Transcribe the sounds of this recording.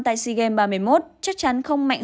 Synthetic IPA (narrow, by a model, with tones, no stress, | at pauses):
t̪a̰ː˧˨jsi˧ɣe˧mɓaː˧mɨ˧˩əjmo˦˥t̚t͡ɕa˦˥k̚t͡ɕa˨˦nxə˧wŋ͡mma̰˧˨jŋ